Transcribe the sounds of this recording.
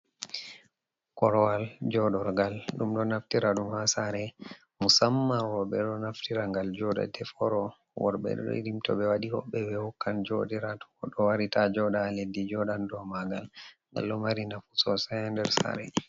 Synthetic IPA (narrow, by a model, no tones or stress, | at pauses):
kɔɾɔwald͡ʒɔɗɔɾɡalɗumɗɔnaftiɾaɗumhasaɾɛ | musamːawɔɓɛɗɔnaftiɾaŋɡald͡ʒɔɗa̰dɛfɔɾɔ | wɔ̰ɾbɛ̰ɗ̰ɔ̰ḭɾimtɔ̰ɓɛwaɗihɔ̰ɓːɛwɛhɔkːand͡ʒoɗiɾatɔ̥ɔɗɔwaɾitad͡ʒɔɗaːledːid͡ʒɔɗandɔmaɡalŋɡa̰lɗɔmaɾinafu̥sɔsɛandɛɾsa̰ɾɛ